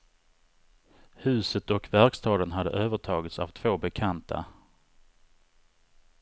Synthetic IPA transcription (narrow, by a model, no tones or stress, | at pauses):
hʉ̟ːsət̪ɔkvæɾkst̪ʰɑːd̪ənɦad̪ːə̰ʔøːvəʈʰɑːɡɪt̪sa̰vt̪ʰv̥oːbɛkʰant̪ʰa̰